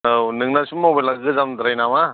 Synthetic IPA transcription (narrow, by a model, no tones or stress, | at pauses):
awnɯŋnasumawbelaɡɯzamd̪ɾajnama